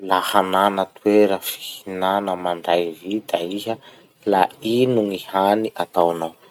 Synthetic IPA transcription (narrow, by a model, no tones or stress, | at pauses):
lahananət̪weɾəfi̥hinanəmaɳɖ͡ʐajvid̪aiɦə | lainuŋihaniʔat̪awanaw